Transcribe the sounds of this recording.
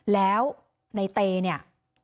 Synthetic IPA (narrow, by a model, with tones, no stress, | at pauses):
lɛː˦˥w | na˧jt̪eː˧ni˥˩ɐ